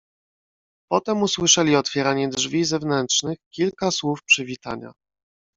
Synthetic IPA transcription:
pɔt̪ɛmuswɘʂɛlʲiɔt̪fʲjɛɾaɲɛdʐvʲizɛvnɛntʂnɘxkʲilkaswufpʂɘvʲit̪a̰ɲa̰

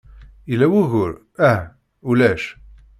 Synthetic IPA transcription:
ilæwuɣʊɾ | æh | ulæʃ

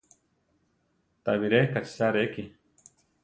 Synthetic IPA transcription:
t̪a̰βiɾekat͡ʃi̥saɾeki

